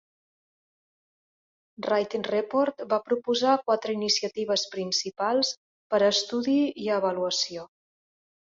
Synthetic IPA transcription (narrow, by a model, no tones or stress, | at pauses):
rajt̪inrepoɾt̪bapɾupuzakwat̪ɾəinisiət̪iβ̞əspɾinsipalˠs | pəɾəst̪uðiiəβəluəsio